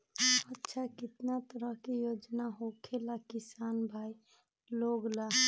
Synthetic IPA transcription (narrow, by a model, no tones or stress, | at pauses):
ətːʃʰakit̪nat̪əɾəɦkejod͡ʒnaɦokʰelakisanbʱai | loɡla